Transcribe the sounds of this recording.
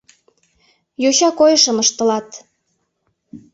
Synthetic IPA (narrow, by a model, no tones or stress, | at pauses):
juɕɑkojəʃə̆məʃt̪ə̆lɑt̪